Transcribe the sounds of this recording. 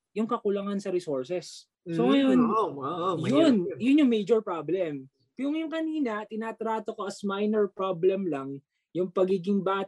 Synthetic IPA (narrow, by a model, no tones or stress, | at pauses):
jʊŋkɐkʊlɐŋansɐɾɪsoɹsɛs | soŋɐjon | jonjʊnjʊŋmejd͡ʒoɹpɹablɛm | pjʊŋjʊŋkɐniːnɐt̪ɪnaːt̪ɾaːt̪okoʔɐsmajnɛɹpɹoblɛmlɐŋ | jʊŋpɐɡiːɡɪŋbaːt̪